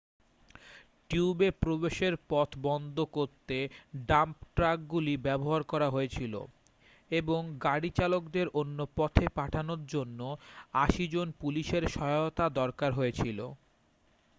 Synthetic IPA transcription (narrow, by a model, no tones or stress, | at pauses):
ʈiuubepɾobeʃeɾpɔt̪ʰbɔnd̪ʱokoɾt̪eɖampʈɾak̚ɡulibɛboɦaɾkɔɾaɦoet͡ɕʰilo̰ | eboŋɡaɽit͡ɕalokd̪eɾʔonːopɔt̪ʰepaʈʰanoɾd͡ʑonːoaʃid͡ʑonpuliʃeɾʃɔot̪ad̪ɔɾkaɾɦojet͡ɕʰilo̰